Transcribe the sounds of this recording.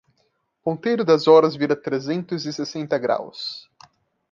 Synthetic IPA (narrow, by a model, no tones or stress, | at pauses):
põnt̪ejɾʊd̪ɐzɔɾɐzviɾɐt̪ɾezẽnt̪ʊzɪsesẽnt̪ɐɡɾa̰ws